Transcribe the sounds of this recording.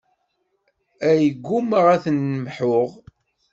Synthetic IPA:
æjəɡʷːuməʁæθənːəmħʊʁ

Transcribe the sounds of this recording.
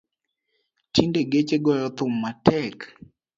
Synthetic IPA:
tindeɡet͡ʃeɡɔjɔt̪ʊmːatʰɛk

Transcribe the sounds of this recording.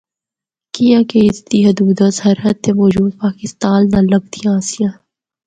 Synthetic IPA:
kijãkeɪst̪iɦɐd̪uːd̪asɦɐɾɦət̪ːemɔːd͡ʒuːd̪̚paːkɪst̪aːnːãlɐɡ̚t̪iãːsijãː

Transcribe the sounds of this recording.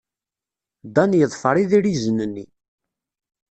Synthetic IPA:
d̪ɑnjəðˤfəɾˤiðiɾizənənːḭ

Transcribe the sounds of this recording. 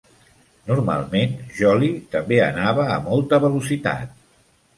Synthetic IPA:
nurma̰lˠmenʒɔlit̪əmbeə̰naβ̞əːmɔlˠt̪əβəlusit̪a̰t̪̚

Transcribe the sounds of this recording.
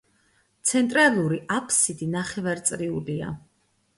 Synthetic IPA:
t̪sʰɛnt̪ʼɾalˠuɾiapʰsid̪inaχɛvaɾt̪sʼɾiulia̰

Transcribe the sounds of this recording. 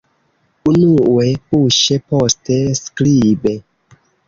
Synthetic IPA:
unuepuʃepostesklibe

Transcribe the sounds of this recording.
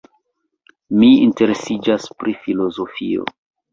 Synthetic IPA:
miinte̞ɾesid͡ʒaspɾifilo̞zo̞fio̞̰

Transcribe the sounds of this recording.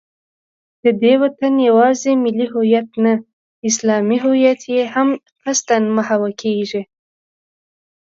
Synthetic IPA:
d̪̥əd̪ewat̪anjawɑzemɪliɦʊjat̪na | ɪslɑmiɦʊjat̪ʰjeham | xast̪anmahawakʰeʒi

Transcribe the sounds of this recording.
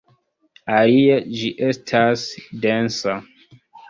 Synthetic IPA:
aliad͡ʒiʔestʰasdensa

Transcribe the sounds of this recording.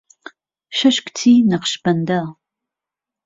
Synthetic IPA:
ʃɐʃkʷʼtʰiːnɐqə̥ʃbɐndɐʁ

